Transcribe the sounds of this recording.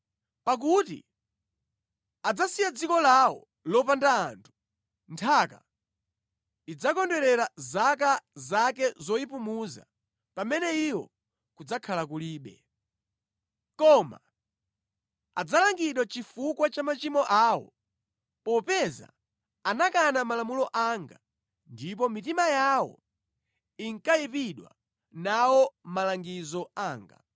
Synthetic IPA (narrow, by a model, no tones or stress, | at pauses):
pak̬utḭ | ad͡zasijad͡zikɔlawɔ̰ | lɔp̬andaːntʰu̥ | ntʰaka̰ | id͡zakɔndɛɾɛɾazakazak̬ɛzɔipumuza̰ | pamɛnɛiwɔ̰ | kud͡zakʰalakuliːɓɛ̰ | kɔma̰ | ad͡zalaŋɡiɗwat͡ʃifukwat͡ʃamat͡ʃimɔʔaːwɔ̰ | pɔpɛza̰ | anakanamalamulɔʔaŋɡa | ndip̬ɔmitimajawɔ̰ | iŋkaipiɗwa̰ | nawɔmalaŋɡizɔaːŋɡa̰